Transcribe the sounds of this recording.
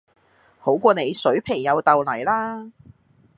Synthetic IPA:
ho˨˥wkʷɔː˧ne˨˧jsɵ˨˥ɥpʰe˨˩ŋjɐ˨˧wt̪ɐ˨wlɐ˨˩jlaː˥

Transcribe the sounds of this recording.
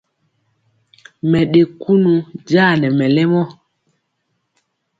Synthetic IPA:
mɛ˨ɗe˨ku˦nu˨d͡ʒaː˦˨nɛ˨mɛ˨lɛ˦mɔ˦

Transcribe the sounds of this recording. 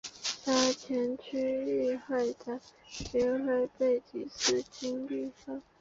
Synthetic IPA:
t̪a˥t͡ɕʰjɛ˧˥nt͡ɕʰy˥y˥˧xa˥˩ɪt̪ə˩ɕi˧˥nxe˥ɪpe˥˩ɪt͡ɕi˨˩sɹ̩˥˩t͡ɕi˥ŋli˥˧ʂɑ˥˩ŋ

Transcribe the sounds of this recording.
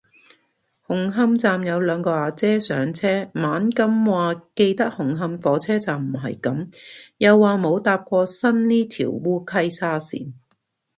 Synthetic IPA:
hʊ˨˩ŋɦɐ˧˥mt͡saː˨mjɐ˨˧wlœː˨˧ŋkɔː˧aː˨t͡sɛː˥sœː˨˥ŋt͡sʰɛː˥maː˨˥nkɐ˥mwaː˨ke˧jt̪ɐ˥k̚hʊ˨˩ŋɦɐ˧mfɔː˨˥t͡sʰɛː˥t͡saː˨˩mm̩˨˩ɦɐ̰˨jkɐ˨˥mjɐ˨˧wːaː˨mo˨˧wt̪aː˧p̚kʷɔː˧sɐ˥nliː˥t̪ʰḭː˨˩wːuː˥kʰɐ˥jsaː˥sḭː˨n

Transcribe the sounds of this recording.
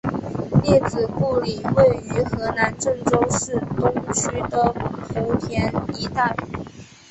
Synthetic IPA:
ljɛ˥˩t͡sɹ̩˨˩pu˥˩li˨˩we˥˩ɪy˧˥xɤ˧˥na˧˥nʈ͡ʂɤ˥˩ŋʈ͡ʂo˥ʊʂɻ̩˥˩t̪ʊ˥ŋt͡ɕʰy˥d̪ə˨xu˧˥t̪ʰjɛ˧˥ni˥˧t̪a˥˧li˥˩

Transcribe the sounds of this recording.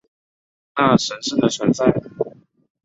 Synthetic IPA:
na˥˩ʂə˧˥nʂɻ̩˥˩d̪ə˨t͡sʰwə˧˥nt͡sa˥˩ɪ˩

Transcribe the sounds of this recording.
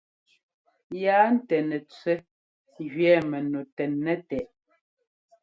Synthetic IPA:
jaː˨˦n̩˦tɛ˨nɛ˨t͡sɛ˦ | ɣɥɛː˨˦mɛ˨no˨tɛ˨nːɛ˦tɛ˨ʔ

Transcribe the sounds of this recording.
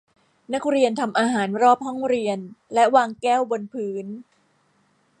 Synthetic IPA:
na˦˥k̚ɾi˧ənt̪ʰa˧mʔaː˧ɦaː˩˦nɾɔː˥˩p̚ɦɔ˥˩ŋɾi˧ənlɛ˦˥waː˧ŋkɛː˥˩wbo˧npʰɯː˩˦˥n

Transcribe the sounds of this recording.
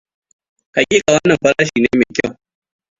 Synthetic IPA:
ka˨kʲiː˦kʼa˨wɐ˦nːɐ˨mɸɐ˦ɾaː˦ʃiː˨neː˦me˨kʲɪ˦w

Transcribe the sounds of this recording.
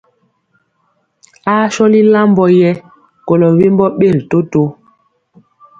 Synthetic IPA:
a˦ʃɔ˦li˦la˦mbɔ˦jɛ˦ | ko˨lɔ˨we˦mbɔ˦ɓe˦˨ɾi˨to˦to˦

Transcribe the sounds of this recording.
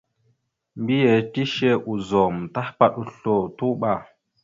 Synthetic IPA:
mbi˦je˨ti˦ʃe˦ʔu˨zɔ˨mta˦hpa˨ɗu˨ɬo˨tu˦ɓa˨

